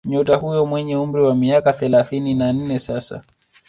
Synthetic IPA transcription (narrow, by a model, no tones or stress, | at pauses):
ɲɔtahujɔmwɛɲɛum̩ɾiwamiakaθɛlaθininan̩nɛsasa̰